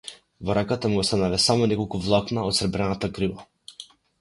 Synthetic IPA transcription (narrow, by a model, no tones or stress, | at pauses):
vɔɾakat̪amɡɔst̪analɛsamɔnɛkɔlˠkuvlˠak̪naɔt̪sɾbɾɛnat̪aɡɾiva